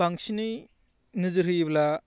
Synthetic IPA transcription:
aŋsinɯ | nɯzɯɾɯjbla

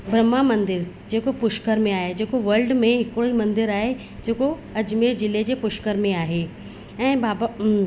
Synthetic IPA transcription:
bɾɐmamɐ̃nd̪ɪɾ | d͡ʑeːkopʊʃkəɾmẽaːɦed͡ʑeːkoʋɐɾlɖmẽɦɪkɽoimɐ̃nd̪ɪɾaːɦe | d͡ʑeːko | ɐd͡ʑmeːɾd͡ʑɪled͡ʑeːpʊʃkəɾmẽaːɦeː | ɛ̃ːbaːba

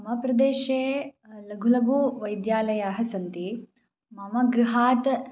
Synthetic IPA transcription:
ɐmɐpɾɐd̪eːʃeːlɐɡʱulɐɡuʋɐjd̪jaːlɐjaːɦɐsɐnt̪i | mɐmɐɡɾuɦaːt̪

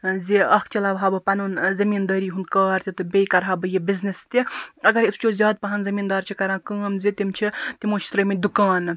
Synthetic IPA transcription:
ziɐkʰt͡ʃɐlaːbɦaːbɨpɐnunzɐmiːnd̪ɐːɾiːɦund̪kaːɾt̪ʰʲit̪ɨbʲejkɐɾɦaːbɨjibʲiznist̪iɐɡɐɾist͡ʃoːzʲjaːd̪̚pɐɦɐnzɐmiːnd̪aːɾt͡ʃʰikɐɾãːkəːmzit̪imt͡ʃʰit̪imoːt͡ʃʰi̥t̪ɾɐːmid̪ukaːn

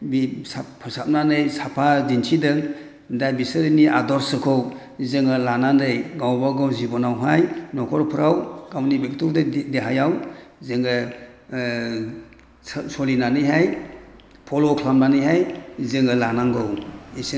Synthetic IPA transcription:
bispʰɯɾsap̚nanɯjsapʰazintʰidɯŋ | dajbisɯɾɯniʔadɔɾsɯkʰɔw | zɯŋɯlanandɯjɡawbaɡɔwzibɔnawɦajnɔkʰɔɾpʰɯɾawɡ̥awnibiktɔɾdɯdeɦajawzɯŋɯ | ssɔlinanɯjɦaj | pʰɔlɔkʰlamnanɯjɦajzɯŋɯlanaŋɡɔwis

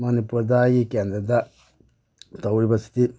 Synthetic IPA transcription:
manipɾud̪aːjikeːnd̪ɾɐd̪ɐ | t̪ɐwɾibɐsi̥t̪i

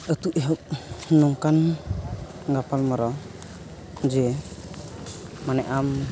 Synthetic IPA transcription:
ət̪uʔɛɦɔp̚nɔŋkan | ɡapalmaɾɔ | d͡ʒɛ | manɛʔam

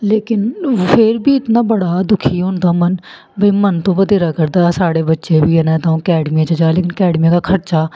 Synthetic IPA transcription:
leːkɪnpʰɪɾbiːɪt̪naːbəɽaːd̪ʊkʰiːɦʊ̃nd̪aːmən | bəiːmənt̪õːbəd̪eːɾaːkəɾd̪aːsaːɽeːbətːʃeːbiːɦɛnɛ̃ːt̪ãːũːkɛːɖmijãːt͡ʃəd͡ʒaːleːkɪnkɛːɖmijãːkaːkʰəɾt͡ʃaː

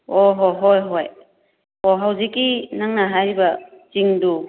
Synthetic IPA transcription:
oɦojɦojɦoj | oɦawzikːinaŋnaɦajɾibɐ | t͡ʃiŋdu

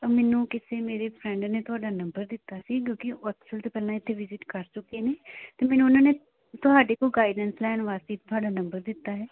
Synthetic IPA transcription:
mɛːnũːkɪseːmeːɾeːpʰɾɛ̃ɳɖneːt̪ʊɦaːɖaːnə̃mbəɾd̪ɪt̪ːaːsiːkjõːkɪəksəlt̪oːpɛːlãːɪt̪ʰːeːʋɪzɪʈkəɾt͡ʃʊkeːneːt̪eːmɛːnũːʊnãːneː | t̪ʊɦaːɖeːkoːɡaːiɖənslɛːɳʋaːst̪iːt̪ʰːʊɦaːɖaːnə̃mbəɾd̪ɪt̪ːaːɦɛː

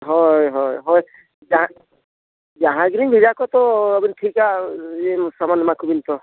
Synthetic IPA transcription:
ɦɔjɦɔjɦɔj | d͡ʒaɦã | d͡ʒaɦãɡinibʱizakɔt̪ɔabintʰikaemsamanmakʰubint̪ɔ

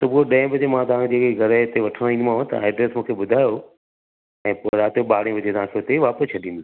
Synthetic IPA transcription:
t̪ɐpueɗɐ̃ɪ̃bɐd͡ʑemãt̪ɐʋãːkʰd͡ʑeːkeɡʱɐɾəɪt̪eʋɐʈʰəɽ̃ĩːnd̪mãɦõt̪ɐ̰a̰ːɪɖɾeːsmũːkʰeɓʊd̪ʱaːjo | ɛ̃ːpoɾaːt̪eɓaːɽ̤ẽʋɐd͡ʑet̪ɐʋãːkʰeʊt̪eʋaːpəst͡ɕʰɐɗĩnd̪o

